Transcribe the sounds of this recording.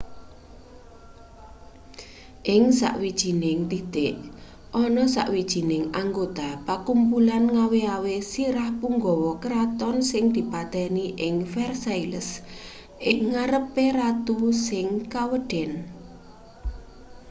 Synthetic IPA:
ʔɪŋsa̰ʔwid̥ʒ̥i̤nɪŋd̪it̪eʔ | ʔɔnɔsa̰ʔwid̥ʒ̥i̤nɪŋaŋɡot̪apakumpulanŋaweawesiɾahpuŋɡɔwɔkɾat̪ɔnsɪŋd̪̥i̤pat̪ɛniʔɪŋfɛrsailəs | ʔɪŋŋaɾəpeɾat̪usɪŋkawəɖ̥ɛn

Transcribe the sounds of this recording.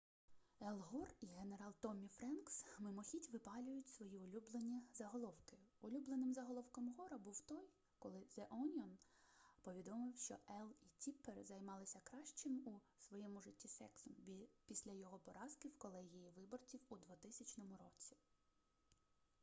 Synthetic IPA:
elˠɦɔriɦe̞ne̞ɾɑlˠt̪ɔmʲifɾɛnksmɪmɔxʲitʲʋɪpɑlʲʊjʊtʲsʋɔjiʊlʲublˠenʲːizɐɦɔlˠɔwkɪʊlʲublˠenɪmzɐɦɔlˠɔwkɐmɦɔɾɐbuwt̪ɔj | kɔlˠɪzeʔɔnʲɔnpɔʋʲid̪ɔmɪwʃt͡ʃɔɛlˠitʲiperzɐjmɑlˠɪsʲɐkɾɑʃt͡ʃɪmu | sʋɔjɛmʊʒɪtʲːisɛksʊpʲisʲlʲɐjɔɦɔpɔɾɑskɪwkɔlˠɛɦʲijiʋɪbɔrt͡sʲiwud̪ʋʊt̪ɪsʲɐt͡ʃnɔmʊɾɔt͡sʲi̥

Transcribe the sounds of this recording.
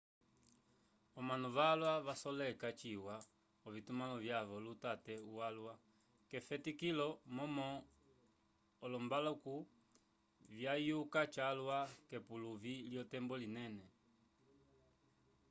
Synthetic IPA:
ɔmanuβalwaβasɔlɛkat͡ʃiwa | ɔvitumalɔvjaβɔlutatɛuwalwa | kɛfɛtikilɔmɔmɔ | lɔmbalɔku | vjajukat͡ʃalwakɛpuluviljɔtɛmbɔlinɛnɛ

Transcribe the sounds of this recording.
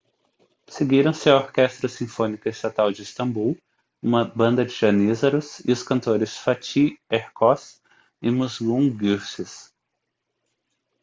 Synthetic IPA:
seɡiɾɐ̃w̃sɪɐoɾkɛst̪ɾɐsĩfõnikɐist̪at̪awd͡ʒɪist̪ɐ̃buw | ũmɐbɐ̃nd̪ɐd͡ʒɪʒɐnizɐɾʊsɪ̰ʊskɐ̃nt̪oɾɪsfat͡ʃieɾkɔs | ɪmuzɡũɡuɾsɪs

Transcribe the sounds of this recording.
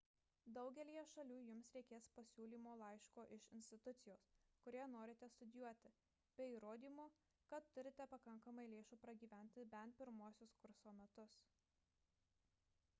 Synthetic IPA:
d̪ɒʊɡʲɛlʲijɛʃɐlʲuːjʊmsɾʲɛɪkʲeːspɐsʲuːlʲiːmoːlˠɐɪʃkoːʔɪʃɪnʲsʲt̪ʲɪt̪ʊt̪sʲɪjoːskʊɾʲiːnoːɾʲɪt̪ʲɛst̪ʊd̪ʲɪjuɔt̪ʲɪ | bʲɛiːɾoːd̪ʲiːmoː | kɐt̪ːʊɾʲɪt̪ʲɛpɐkɐŋkɐmɐɪlʲeːʃuːpɾɐɡʲiːʋʲæˑnʲt̪ʲɪbʲɛnt̪̚pʲɪɾmuɔsʲʊskʊɾsoːmʲɛt̪ʊs

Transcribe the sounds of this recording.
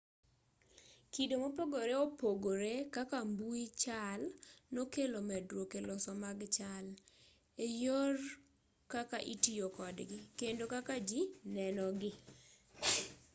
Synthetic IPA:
kidomopoɡoɾeopoɡoɾekakambuit͡ʃalnokelomɛdɾokelɔsɔmaɡt͡ʃal | ejɔr | kakaʔitijokɔdɡɪkendokakad͡ʒinɛnɔɡɪ

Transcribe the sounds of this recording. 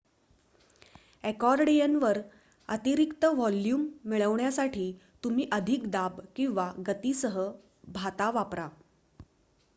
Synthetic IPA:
ɛkɔɾɽejənʋəɾ | ət̪iɾikt̪əʋɔljuːmːiɭəʋɳjasaʈʰiːt̪um̤iːʔəd̪ʱikd̪abkĩw̃ʋaɡət̪iːsəɦə | bʱat̪aʋapɾa

